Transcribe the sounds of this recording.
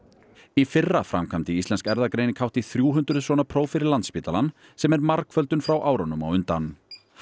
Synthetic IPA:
ifɪrːafɾa̰mkʰamt̪ɪist̪ɛnskɛɾðakɾejnɪkʰawht̪iθɾjuːɦʏnt̪ɾʏðsvɔːnapʰɾoːwfɪɾɪɾlant̪spiːt̪alanː | sɛmɛɾmaɾkfœlt̪ʏnfɾawʔaːwɾɔnʏma̰wʏnt̪an

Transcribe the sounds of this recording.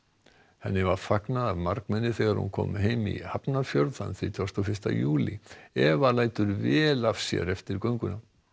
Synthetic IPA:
hɛnːɪvaɾfaknaðaðmaɾkmɛnːɪθɛːɣaɾhṵnkʰɔ̰ːmɦeːjmḭhapnḁfjœɾðanθvit̪ʰɔrst̪ɔfɪ̥st̪a̰juːliɛvalaːjt̪ʏɾvɛːlafsjɛ̰ɾɛft̪ɪɾkœɥŋkʏna

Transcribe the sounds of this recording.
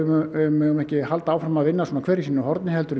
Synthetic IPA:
mmɛʏmɛhcɪhal̪t̪aaːwfɾamaðvɪnːasuːnakʰvɛːɾɪsiːnɪɔhɦɔɾt̪nɪhɛlt̪ʏɾ

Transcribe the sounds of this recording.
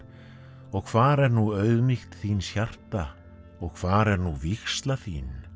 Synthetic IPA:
ɔɣkʰvaːɾɛɾnuœɥðmixt̪θiːnsçar̥t̪a | ɔɣkʰv̥aːɾɛɾnuvixst̪laθiːn

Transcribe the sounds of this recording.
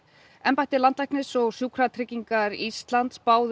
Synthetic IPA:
ɛmpajht̪ɪlant̪lajhknɪsɔɣsjuːkʰɾat̪ʰɾɪcːiŋkaɾist̪lant̪spaːwð

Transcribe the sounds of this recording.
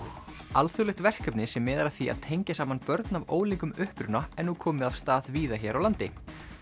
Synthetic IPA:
alθɔwlɪht̪vɛr̥kœpnɪsɛmːɛːðaɾḁθia̰ðt̪ʰejɲcɪsaːmanpœɾt̪navoːwliŋkʏmʏhpɾʏnaɛnukʰɔːmɪav̥st̪aːðviːðaçɛɾawlant̪ɪ̰

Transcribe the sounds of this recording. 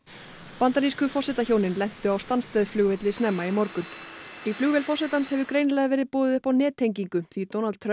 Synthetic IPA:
pant̪aɾiskʏfɔsɛt̪açoːwnɪnlɛn̥t̪ʏawst̪anst̪ɛːðflʏɣvɪt̪lɪsnɛmːaimɔɾkʏniflʏɣvɛlfɔs̬ɛt̪anshɛvʏkɾeːjnlɛɣavɛːɾɪðpoːðɪðʏhpawnɛːt̪ʰejŋciŋkʏθit̪ownalt̪t̪ʰːɾ

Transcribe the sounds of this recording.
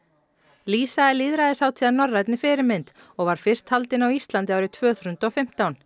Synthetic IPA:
liːsaɛliːðɾaðɪsaːwt̪ʰiːanɔrːajt̪nɪfɪːɾɪmɪnt̪ | ɔɣvaɾ̥fɪr̥st̪halt̪ɪnawist̪lant̪ɪaːwɾɪt̪ʰvœːθɾʏnt̪ɔfɪm̥t̪awn

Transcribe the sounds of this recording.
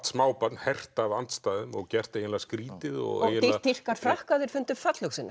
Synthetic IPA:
t̪smaːwpat̪nhɛr̥tt̪avant̪st̪aːðʏmɔɣcɛr̥t̪ejɪnlaskɾiːt̪ɪðɔ̰ɣḛjjɪnit̪ːɪr̥kaɾ̥fɾahkaðɪɾ̥fʏnt̪ʏ̥fat̪lœsina̰

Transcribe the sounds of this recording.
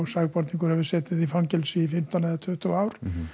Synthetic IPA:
saɣpɔɾt̪niŋkʏɾhɛvɪɾsɛːt̪ɪðifaŋcɛlsɪːfɪm̥t̪anaðat̪ʰʏht̪uaːwɾ̥

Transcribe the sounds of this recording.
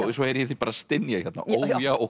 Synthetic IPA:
sɔɛɾjɛθipaːɾast̪ɪnːjaihjɛt̪na̰ʔoːjaɔ

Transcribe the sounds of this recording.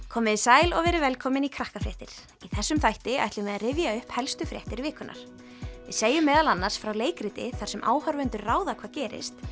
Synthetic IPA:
kʰɔːmɪðɪsaːjlɔɣvɛːɾɪvɛlkʰɔːmɪnikʰɾahkafɾɛ̰ht̪ɪɾ̥ | iθɛsːʏmθajht̪ɪa̰jht̪lɪmvɛðaðrɪvjaʏhphɛlst̪ʏfɾjɛ̰ht̪ɪɾvɪːkʏnʔa̰ɾ̥ | vɪ̰ðseːjʏmɛːðalanːaɾ̥sfɾawleːjkɾɪt̪ɪθḁsɛmʔa̰ːwhœɾvʏnt̪ʏɾraːwðakʰvaːðcɛːɾɪ̰st̪

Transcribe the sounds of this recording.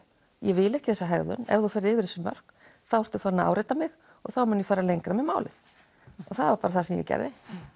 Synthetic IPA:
jɛvɪlɛhcɪθɛsaɦɛɾðʏ̰nɛ̰vðufɛɾðɪːvɪɾɛsʏmœ̰r̥k | θawɛɾ̥t̪ʏfaɾnaa̰wɾeːjt̪amɪɣ | ɔɣθawmʏnjɛfaːɾalejŋkɾamɛmaːwlɪ̰θ | ɔɣθaðvaɾpaːɾaθasɛmjɛ̰cɛ̰ɾðɪ

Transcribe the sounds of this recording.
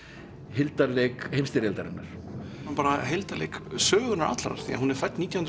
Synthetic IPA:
hɪlt̪aɾlekhejmst̪ɪɾɛlt̪aɾɪnːaɾ̥anpaːɾaɦelt̪alḛjksœːɣʏnaɾa̰t̪lɾa̰̥θḭa̰ɦunɛɾ̥fajt̪niːt̪jahn

